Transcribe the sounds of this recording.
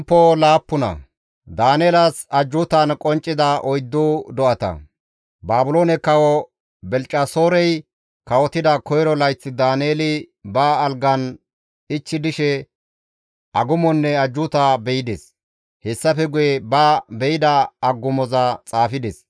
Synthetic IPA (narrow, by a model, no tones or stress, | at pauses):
pːɔlaːpːʊnɐ̰ | d̪aːneːlɐsɐd͡ʒːʊt̪ɐnkʼɔnt͡ʃʼːɪd̪ɐʔɔjd̪ːuːd̪ɔʔɐt̪ɐ̰ | baːbʊloːnɛkɐwɔ | bɛlt͡ʃʼːɐsoːɾɛj | kɐwɔt̪ːɪd̪ɐkɔjɾɔlɐjt͡sːɪd̪aːneːlɪ | baːlɡɐn | ɪt͡ʃːɪd̪ɪʃɛ | ʔɐɡʊmɔnːɛɐd͡ʒːʊt̪aːbɛjɪd̪ɛs | hɛsːɐfɛɡʊjɛbabɛjɪd̪ɐɐɡːʊmɔzɐt͡sʼaːfɪd̪ɛs